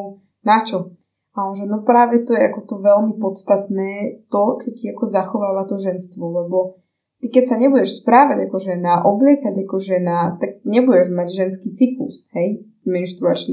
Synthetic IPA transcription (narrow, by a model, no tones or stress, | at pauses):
nat͡ʃɔ | alɛʒɛnɔpɾaːʋɛt̪ɔjɛakɔt̪ɔʋɛlmipɔt̪st̪at̪nɛːt̪ɔt͡ʃɔciakɔzaxɔʋaːʋat̪ɔʒɛnst̪ʋɔlɛbɔ | t̪ikɛcsaɲɛbuɟɛʃspɾaːʋaɟakɔʒɛnaʔɔblɪɛkaɟakɔʒɛnaːt̪aɡ̚ɲɛbuɟɛʒmaɟʒɛnskiːt͡siklṵshɛj | minʃt̪ɾuat͡ʃn